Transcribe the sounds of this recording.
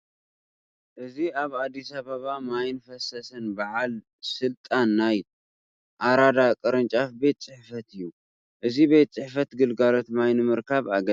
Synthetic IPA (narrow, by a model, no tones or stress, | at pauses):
ʔɨziaβad̪ːisaβɐβamajnfɐsɐsɨnbaʕal | sɨlt̪ʼanːaj | ʔaɾad̪akʼɨɾɨnt͡ʃʼafbe̞t̪̚t͡sʼɨħfɐt̪ɨjːu | ʔɨzibe̞t̪̚ʼt͡sʼɨħfɐt̪ɡɨlɡalo̞t̪majnɨmɨɾkʰaβaɡɐ